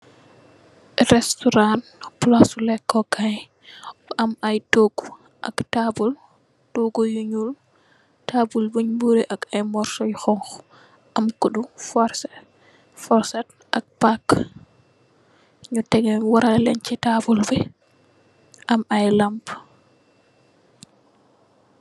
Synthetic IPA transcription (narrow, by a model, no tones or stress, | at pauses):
ɾɛstɔɾanplasulɛkːɔkaj | ʔamajtoɡu | ʔa̰ktabul | toɡɔjuɲul | tabulbuɲbuɾɛʔakajmɔɾsɔjxɔŋx | ʔamkuɗufɔɾsɛ | fɔɾsat | ʔa̰k̚pak | ɲutɛɡɛwaɾalɛ̰ɲt͡ʃɛtabulbɛ | ʔamajlamp